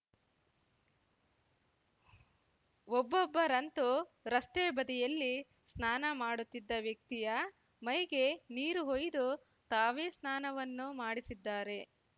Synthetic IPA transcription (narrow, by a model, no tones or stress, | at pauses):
ɔbːɔbːɐɾɐnt̪uɾɐst̪eːbɐd̪ɛjɐlːi | snaːnɐmaːɽut̪ːid̪ːɐʋjɐk̚t̪ijɐ | mɐjɡe̞niːɾuɦojd̪u | t̪aːʋeːsnaːnɐʋɐnːumaːɽisid̪ːaːɾe̞